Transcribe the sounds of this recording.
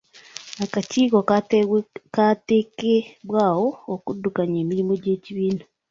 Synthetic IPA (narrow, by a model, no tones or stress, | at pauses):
akaciːko | kateːkeβwaːwoːkudːukaɲeːmiɾimo̞ɟe̞ːciβiːna